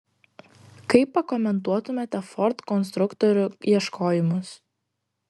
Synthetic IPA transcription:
kɐɪpːɐkɔmʲɛnt̪uɔt̪ʊmʲɛt̪ʲɛfɔɾt̪kɔns̬t̪ɾʊkt̪ɔɾʲʊiɛʃkʰoːjɪmʊs

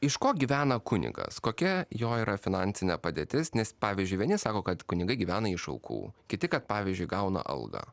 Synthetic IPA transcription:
ɪʃkoːɡʲiːʋʲæːnɐkʊnʲɪ̰ɡɐ̰skoːkʲɛjoːiːɾɐfʲɪnɑnʲsʲɪnʲɛpɐd̪ʲeːt̪ʲɪsnʲɛspɑːʋʲiːzʲd͡ʒʲʊɪʋʲiɛnʲɪsɑːkoːkɐt̪kʊnʲɪɡɐɪɡʲiːʋʲæːnɐɪʃɐʊkʰṵːkʲɪt̪ʲɪkɐt̪pɑːʋʲizʲd͡ʒʲʊɪɡɐʊnɐ̰ʔɐ̰lˠɡɐ̰

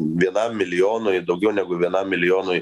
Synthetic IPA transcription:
ʋʲiɛnɐmːʲɪlʲɪjoːnojd̪ɐʊɡʲɛʊnʲæɡʊʋʲiɛnɐmmʲɪlʲɪjoːnoj

